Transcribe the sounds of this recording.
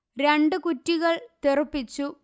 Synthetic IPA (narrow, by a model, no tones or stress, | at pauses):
ɾe̞ɳɖɨkutːiɣɐɭt̪irɨpːit͡ɕːu